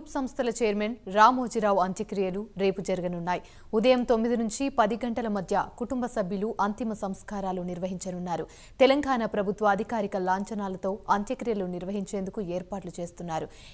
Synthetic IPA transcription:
uːpsɐmst̪ʰɐlɐt͡ʃeːɐɾmenɾaːmoːd͡ʒiɾaːʋɐnt̪jɐkɾijɐluɾe̞ːpud͡ʒɐɾiɡɐnunːaːji | ud̪ɐjɐmt̪o̞mːid̪inuɲt͡ʃipɐd̪iɡɐɳʈɐlɐmɐd̪ʱjɐkuʈumbɐsɐbʱjɐluʔɐnt̪imɐsɐmskaːɾaːluniɾʋɐɦiɲt͡ʃɐnunːaːɾu | t̪ɛlɐŋɡaːnapɾɐbʱut̪ʋɐːd̪ʱikaːɾikɐlaːɲt͡ʃɐnaːlɐt̪o̞ːɐnt̪jɐkɾijɐluniɾʋɐɦiɲt͡ʃe̞ːnd̪ukueːɾpaːʈlut͡ʃe̞ːst̪unːaːɾu

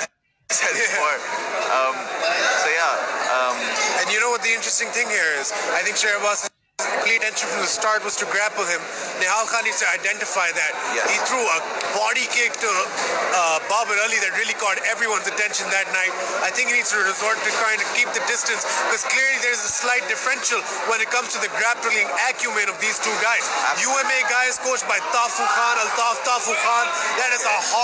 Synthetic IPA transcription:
s | ʌ̃msoʊjæʌ̃mɨ̃njɨñoʊwʌt̪̚ðiɪ̃ntɹ̥ɛstɪ̃ŋt̪ɪ̃ŋhiɹɪzaɪθɪ̃ŋkʃɛwʌz | kliʈɛ̃nʃə̃nfɹʌ̃mðəstɑɹt̚wʌz̥tɨɡɹæpwɨɪ̃m | ðẽɦalˠxãnisɨɾaɪdɛ̃nʈɨfaɪðæt̚jhiθʰɹuːəbɑɾikek̚təʌbaːbəɾəliðɨtɹiəlikɔːɾɛvɹiwʌ̃nzəʈɛ̃nʃə̃nd̪æʈ̚naɪt̚ | aɪt̪ʰɪ̃ŋkinidz̥tɨɹɪzɔɹt̚ːɨkãɪ̃ndkiːp̚d̪ɨdɪsʈɨ̃nsb̥ɪkɔz̥klɪɾlid̪ðəɹɨzəslaɪʈ̚ɖɨfɹɛ̃nʃəl̩ | wɛ̃nɨt̚kʌ̃mz̥tuðəɡɾæp̚ʈəlɪ̃ŋækjumɨ̃ɾ̃ɔvd̪iːz̥tuːɡaɪz̥juːɛ̃meɡaɪɪz̥koːt͡ʃʈ̚baɪt̪aːfuxãːnɐlt̪aːft̪aːfuxãːnd̪æɾɨzəhɔ

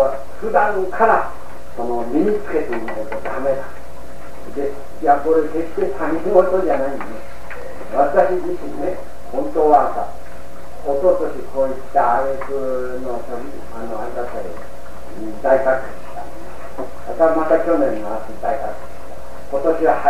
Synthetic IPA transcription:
ɸɯ̟d̪ãŋkʰaɾa | so̞no̞mʲiɲ̟it͡sɨ̥ke̞t̪enot̪od̪ame̞nã | d̪e̞ | jako̞ɾeseki̥t̪et̪ʰanʲiiɡot̪od͡ʑanaĩnene | βat̪aɕid͡ʑiɕine | hõ̞nt̪oβasa̰ | oso̞t̪o̞ɕiko̞ːit̪ːaːɾesɨ | no̞somʲ | anoaɾʲiɡat̪aɾʲi | d̪aikakɯi̥ɕi̥t̪an | at̪amat̪akʲo̞nẽ̞nːoased̪aikakɯ̥t͡si̥ɕt̪a | ko̞t̪o̞ɕiβa

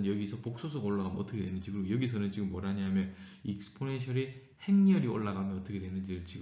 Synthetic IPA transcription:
njʌɡisʰʌpok̚s͈os̬ʰʌɡoɭːaɣamjʌnʌt͈ʌkʰdwenɯnd͡ʑikɯɾjʌɡis̬ʰʌnɯnt͡ɕiɡɯmːwʌɾɦaɲɦamjʌnik̚sɯ̥pʰoneɕʰʌɾi | heŋɲʌɾio̰ɭːaɣamjʌnʌt͈ʌkʰedwenɯnd͡ʑiɾɯɭt͡ɕi

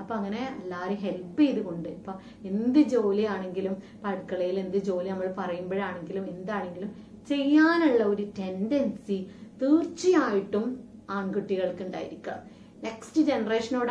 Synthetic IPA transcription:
ɐpːoːɐŋːɐneɐlːaːɾeɦe̞lpːijiðuko̞ɳɖɨɐpːoː | end̪ɨd͡ʑo̞ːlijaːɳe̞ŋɡilum | pɐɻkːɐɭɐjilend̪ɨd͡ʑo̞ːlinɐmːɐɭpɐrɐjumboːɻaːɳe̞ŋɡilumend̪aːɳe̞ŋɡilum | t͡ɕe̞jːaːnuɭːɐoɾute̞ndɐnsit̪iːrt͡ɕːijaːjiʈːumaːɳkuʈːiɣɐɭkuɳɖaːjiɾikʲːuɐ̰m | ne̞kstɨd͡ʑenɐreːʂɐnoːɽ

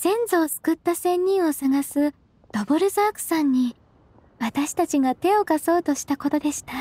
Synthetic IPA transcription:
z̥ẽ̞nd͡zo̞ːsɨ̥kɯ̟t̪ːasẽ̞ɲ̟ʲːĩɰ̃o̞saɡasɨ | d̪̥o̞bo̞ɾɯ̟zaːkɯ̟̥sãɲ̟ːi | βat̪aɕi̥t̪at͡ɕiɡat̪e̞o̞kaso̞ːt̪o̞ɕi̥t̪ako̞t̪o̞d̪e̞ɕi̥t̪a

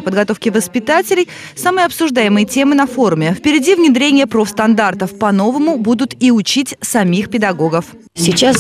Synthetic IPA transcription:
pəd̪̚ɡɐt̪o̞fkʲɪvəspʲɪt̪atʲɪlʲɪj | samɨjɐpsʊʐd̪ajɪmɨjətʲe̞mɨnɐfo̞ɾʊmʲɪfpʲɪɾʲɪdʲivnʲɪd̪ɾʲenʲɪjəpɾofst̪ɐnd̪art̪əfpɐno̞vəmʊbud̪ʊt̪iʊt͡ɕitʲsɐmʲixpʲɪd̪ɐɡo̞ɡəf | sʲit͡ɕas

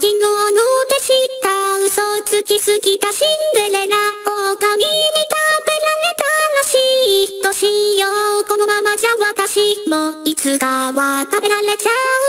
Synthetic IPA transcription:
kʲiŋonok̪eɕit̪aɯ̟sot͡sɨkʲisɨɡʲit̪aɕindɯɾenaokamiɲit̪abe̞ɾaɾe̞t̪anoɕiːt̪ːoɕĩjoɯko̞no̞mamad͡ʑaβat̪aɕimoit͡sɨɡaβat̪abe̞ɾaɾe̞t͡ɕaɯ

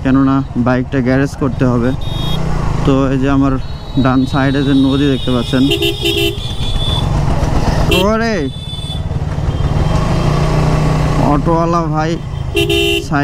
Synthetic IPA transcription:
kɛnonabajk̚ʈaɡɛɾeskoɾt̪eɦɔbe | t̪oed͡ʒiamaɾ | ɖansajɖed͡ʑenod̪id̪ek̚t̪epatːɕʰen | t̪ooɾe | ɔ̰ʈoalabʱaj | sa

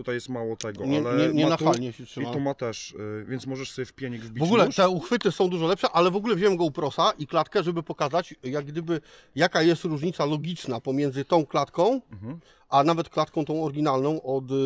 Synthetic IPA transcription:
ut̪ajɛst̪mawɔt̪ɛɡɔɲɛɲɛɲɛnaxalɲɛɕɛtʂɨmiat̪ɔmat̪ɛʂvʲjɛntsmɔʐɛʂsɔbʲjɛfpʲjaɲɛɡvbʲivɔɡulɛtt̪ɛuxfɘt̪ɘsɔ̃w̃d̪uʐɔlɛpʂɛʔalɛvɔɡulɛvʑɛwɛmɡɔupɾɔsaʔiklat̪kɛʐɛbɘpɔkazat͡ɕjaɡ̚ɡd̪ɘbɘ | jakajɛst̪ɾuʐɲit̪salɔɡʲit͡ʂnapɔmʲjɛnd̪zɘt̪ɔ̃w̃klat̪kɔ̃w̃ | ʔanavɛt̪klat̪kɔ̃w̃t̪ɔ̃w̃ɔɾɡʲinalnɔ̃w̃ʔɔt̪

